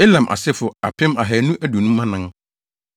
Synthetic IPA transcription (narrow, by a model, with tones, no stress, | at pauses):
e˦lã˨mʔa̰˨sɪ˦fʊ˨a̰˨pʰɪ̃˦ma˨ɦɛ˨nũ˦ʔæ˦du˨nũ˦mã˦nã˦ŋ